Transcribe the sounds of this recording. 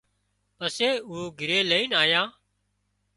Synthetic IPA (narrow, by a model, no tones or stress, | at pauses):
pəseːuːɡʱɪɾeːləiːnaːjãː